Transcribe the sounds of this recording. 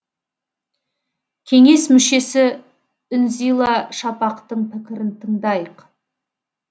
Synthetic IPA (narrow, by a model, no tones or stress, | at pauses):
kʲʰe̞ŋe̞smʏʃe̞sɪ | ʏnzijlˠɑʃɑpɑqt̪əɴpʰɪkʲɪɾɪnt̪ʰəɴd̪ɑjəq